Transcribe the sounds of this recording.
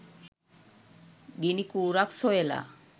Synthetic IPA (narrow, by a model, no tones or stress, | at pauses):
ɡinikuɾaksoela̰